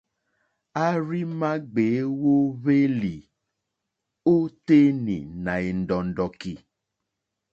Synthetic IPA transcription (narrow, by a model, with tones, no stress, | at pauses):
a˦ɾi˦mã˦ɡ͡be˨˦wo˦βe˦li˨ | o˦t̪e˦nḭ̃˨nã˨e˨n̩˨dɔ˨n̩˨ɖɔ˨ki˨